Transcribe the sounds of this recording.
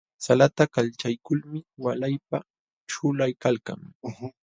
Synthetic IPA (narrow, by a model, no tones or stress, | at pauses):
salat̪akalt͡ʃajkʊlmɪwalajp̚a | ʈ͡ʂʊlajkalka̰ŋ